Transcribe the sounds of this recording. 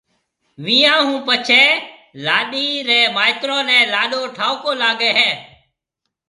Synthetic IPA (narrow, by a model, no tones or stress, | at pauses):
ʋiːãːɦũːpət͡ʃʰɛːlaːɗiːɾɛːmaːɪt̪ɾõːnɛ̃ːlaːɗoːʈʰaːokoːlaːɠeːɦɛː